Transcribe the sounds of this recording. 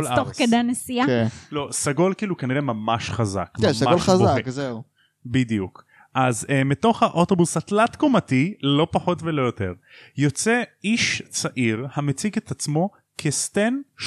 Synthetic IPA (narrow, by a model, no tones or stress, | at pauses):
olatoχkedanesiaknlo̞saɡo̞lkiːlukaniʁemamaʃχaza̰kmmsaɡaolazaekzeu | bidijuk | ʔazmito̞χhaʔoto̞busatlatkomatilo̞paħo̞tvelo̞jo̞te̞̰ʁjo̞t͡se̞iʃt͡saʔiʁhamet͡siɡet̪at͡smo̞ | kʰest̪en